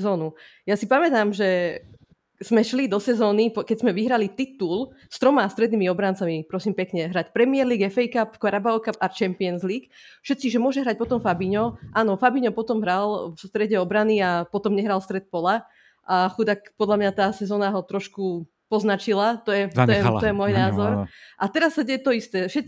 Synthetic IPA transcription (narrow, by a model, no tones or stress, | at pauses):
zɔːnu | jasipamɛt̪aːmʒɛ | z̥mɛʃlid̪ɔsɛzɔːnipkɛɟzmɛʋiɦɾalit̪it̪ul | st̪ɾɔmaast̪ɾɛd̪nimiɔbɾant͡samipɾɔsiːmpɛkɲɛɦɾacpɾɛmiɛɾliːɡɛfɛjkapkaɾabaɔkapat͡ʃɛmpiɛnzliːk | fʃɛt̪t͡siʒɛmʊɔʒɛɦɾac̚pɔt̪ɔmfabiɲɔʔaːnɔfabiɲɔpɔt̪ɔmɦɾalfst̪ɾɛɟɛɔbɾaniapɔt̪ɔmɲɛɦɾalˠst̪ɾɛt̪̚pɔla | ʔaxud̪akpɔd̪lamɲat̪aːsɛzɔːnaɦɔt̪ɾɔʃku | pɔznat͡ʃilat̪ɔjɛɔjɛt̪ɔjɛmɔjnaːzɔɾʔat̪ɛɾasːaɟɛjɛt̪ɔist̪ɛʃɛ